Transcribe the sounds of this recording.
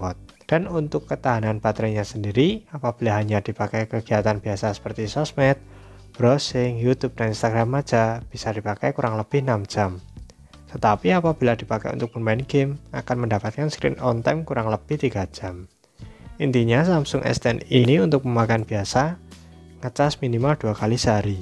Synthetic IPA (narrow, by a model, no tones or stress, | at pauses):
ɔt̪̚ | d̥anunt̪ʊkːət̪aɦananb̥at̪ɾaɲasəndiɾiapab̥ilaɦaɲad̥ipakajkəɡ̥iat̪anb̥iasasə̥pərt̪isɔsmɛt̪̚ | b̥ɾɔsɪŋjut̪up̚d̥aninst̪aɡɾamːḁd͡ʒ̥ab̥isad̥ipakajkuɾʔaŋləb̥ɪhnamd͡ʒ̥am | t̪ət̪apiapab̥i̤lad̥i̤pakɛ̰jṵt̪ʊk̚pənmanɡɪma̰kanməndapat̪̚kanskɾɪ̰nɔnt̪amkuɾaŋləb̥ɪht̪iɡḁd͡ʒ̥am | ʔint̪iɲasamsʊŋʔɛ̰st̪ɛniniunt̪ʊk̚məmakanbiasa | ŋət͡ʃasminimald̥uakalisaɾi